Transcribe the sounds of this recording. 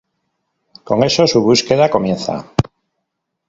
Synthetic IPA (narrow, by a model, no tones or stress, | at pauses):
ko̞ŋe̞so̞suβuske̞ðako̞mje̞nθa̰